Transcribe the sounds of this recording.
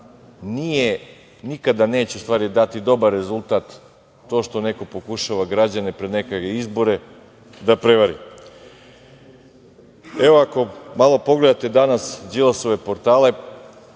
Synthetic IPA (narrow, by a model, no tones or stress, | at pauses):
nije | nikad̪ane̞ːt͡ɕeust̪ʋaːɾid̪at̪id̪o̞baɾe̞zulˠt̪at̪ː | o̞ːʃt̪o̞ne̞ko̞po̞kuʃaʋaɡɾad͡ʑanepɾed̪nekakeizbo̞ɾe̞ | d̪apɾeʋaɾḭ | eʋoako̞malˠo̞po̞ɡle̞d̪at̪e̞d̪anasd͡ʒilaso̞ʋe̞po̞ɾt̪aːle̞